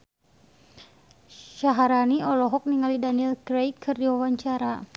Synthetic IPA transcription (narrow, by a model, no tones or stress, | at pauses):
ʃaɦaɾaniɔlɔɦɔk̚niŋalidaniɛlkɾejkɨrdiwawaɲt͡ʃaɾa